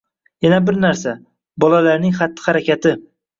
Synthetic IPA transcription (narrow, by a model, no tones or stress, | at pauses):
janabɪɾnaɾsa | bɒlalaɾnɪŋχat̪ːɪ̥haɾakʲat̪ʰɪ